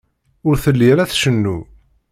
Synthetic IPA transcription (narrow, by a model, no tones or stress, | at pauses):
ʊɾθəlːiæɾæθʃənːu